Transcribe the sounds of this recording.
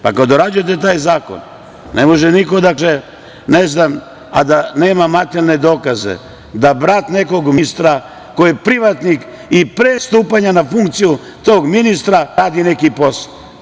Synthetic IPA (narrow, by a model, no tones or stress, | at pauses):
pakad̪oɾad͡ʒujet̪̬e̞t̪̬aːjzaːko̰n | nemo̞ʒeniko̞d̪akle | neznam | a̰d̪aneːmamat̪elne̞d̪o̞ːkazḛ | d̪abɾat̪ne̞ko̞ɡmist̪ɾa | ko̞jepɾiʋat̪nik | ipɾeːst̪uːpaɲanafuŋkt̪siju | t̪o̞ːɡminist̪ɾaɾaːd̪ine̞kipo̞sḁ